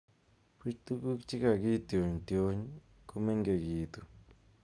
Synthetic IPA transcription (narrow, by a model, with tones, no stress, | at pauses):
pi˦t͡ʃt̪u˦ku˦kt͡ʃi˦ka˨ɡi˦t̪jo˨ɲt̪jo˦ɲ | ku˧me˦ŋɡe˨ɡi˨t̪u˨